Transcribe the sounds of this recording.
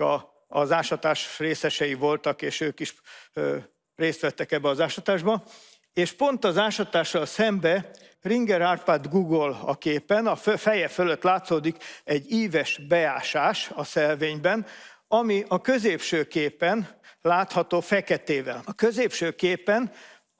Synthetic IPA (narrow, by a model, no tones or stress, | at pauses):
ɒ | ɒzaːʃɒt̪aːʃreːsɛʃɛjivo̞lt̪ɒkeːʃøːkiʃ | reːst̪ʋɛt̪ːɛkɛbːɛɒzaːʃɒt̪aːʒbɒ | eːʃpo̞nt̪ɒzaːʃɒt̪aːʃːɒlsɛmbɛ | riŋɡɛɾaːrpaːd̪ɡuɡolɒ̰keːpɛnɒffɛjɛføløt̪ːlaːt̪soːd̪ikɛɟːiːvɛʃbɛaːʃaːʃɒsɛlveːɲbɛnɒmiɒkø̞zeːpʃøːkeːpːɛnlaːt̪hɒt̪oːfɛkɛt̪eːvɛ̰lɒkøzeːpʃøːkeːpːɛn